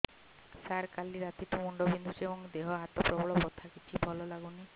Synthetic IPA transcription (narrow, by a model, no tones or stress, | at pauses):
saɾkaliɾat̪iʈ̪umuɳɖɔbind̪usebɔŋd̪eɦɔɦat̪ɔpɾɔbɔɭɔpɔt̪ʰakit͡ʃʰibʱɔlɔlaɡuni